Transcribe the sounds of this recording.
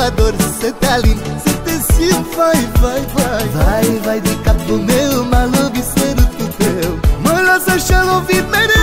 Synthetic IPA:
ad̪oɾset̪alĩ | set̪ẽsiũvajvajvajvajvajd̪ɪkap̪ʊnewmalubiseɾʊt̪ut̪ewmɐlɔsɐʃɐlõvid̪med

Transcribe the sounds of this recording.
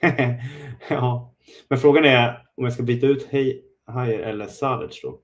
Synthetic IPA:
ɑː | mɛnfɾoːɡanɛɾ | ɔmjaskabiːt̪aʉ̟ːt̪hɛj | hajəɾʔɛ̰lːəɾsalə̰ʂdɔ̰

